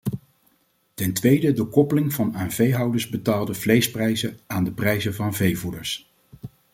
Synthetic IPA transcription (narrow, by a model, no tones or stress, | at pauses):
tɛntʋejdədəkɔpəlɪŋvɑnaːnvejɦɑwdəɹzbətaːlˠdəvlejsprɛjzəaːndəprɛjzəvɑnvejvudəɹs